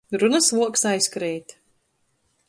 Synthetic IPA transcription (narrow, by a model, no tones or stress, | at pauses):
ɾunɐsvuɔksajskɾɛːt̪ʲ